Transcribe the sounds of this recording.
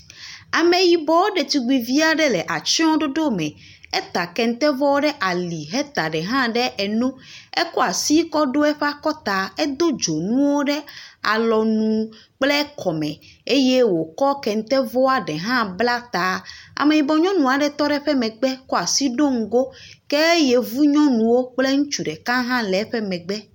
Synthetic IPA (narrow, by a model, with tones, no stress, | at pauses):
a˨mẽ˨ji˨bɔ˨wo˦ɖɛ˨t̪i˨ɡ͡bi˨vi˦a˨ɖɛ˦lɛ˨ʔa˨t͡ʃɔ̃˦ɖo˦ɖo˦mɛ̃˨ | ɛ˦t̪a˨kɛ˨ŋ̩˦t̪ɛ˦vɔ˦wo˦ɖɛ˦ʔa˨li˨ɦɛ˦t̪a˨ɖɛ˨ɦã˦ɖɛ˦ʔɛ˨nũ˦ɛ˦ko˦a˨si˦kɔ˦ɖo˦ɛ˦ɸa˦kɔ˦t̪a˨ɛ˦d̪o˦d͡ʒo˨nũ˦wo˦ɖɛ˦a̰˨lɔ˨nũ˨ | k͡plɛ˦kʰɔ˨mɛ̃˨e˦je˦wo˨kɔ˦kɛ˨ŋ˨t̪ɛ˦vɔ˦a˨ɖɛ˨ɦã˦bla˦t̪a˨a̰˨me˨mi˨bɔ˨ɲɔ̃˦nũ˨a˨ɖɛ˦t̪ɔ˦ɖɛ˦ɸɛ˦mɛ̃˨ɡ͡bɛ˦ko˦a˨si˦ɖo˦ŋ̩˨ɡo˦kɛ˦je˦vu˦ɲɔ̃˦nũ˨wo˦k͡ple˦ŋũ˦t͡ʃu˨ɖɛ˨kã˦ɦã˦lɛ˨˦ɸɛ˦mɛ̃˨ɡ͡bɛ˦